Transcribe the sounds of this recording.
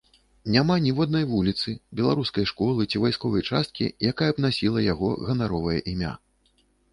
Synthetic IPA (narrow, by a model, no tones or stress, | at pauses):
nʲamanʲivɔd̪nɐjvulʲit̪sɨbʲɛlˠaɾuskɐjʂkɔlˠɨt͡sʲivajskɔvɐjt͡ʂast̪̚kʲḭjakajɐbnasʲilˠɐjaɣɔɣɐnaɾɔvɐjɐ̰ʔimʲa̰